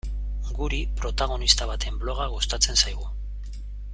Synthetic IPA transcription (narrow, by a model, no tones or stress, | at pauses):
ɡuɾipɾo̞t̪aɣ̞o̞nist̪aβ̞at̪e̞mblo̞ɣ̞aɣo̞st̪at͡se̞nsajɣ̞u